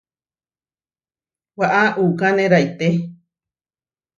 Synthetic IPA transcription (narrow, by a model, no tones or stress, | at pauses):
waʔaʔukanẽɾajt̪e